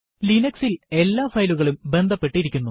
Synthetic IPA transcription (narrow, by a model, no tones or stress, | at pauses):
linɐksile̞lːaːfɐjluɣɐɭumbe̞nd̪ʱɐpːe̞ʈːiɾikʲːunːu